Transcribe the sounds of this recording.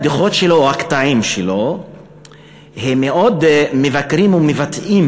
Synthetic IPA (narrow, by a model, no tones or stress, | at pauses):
d̪iχot̪ʃeloːhakt̪aimʃelo̞ | hemːeʔod̪mevakɾimumevat̪im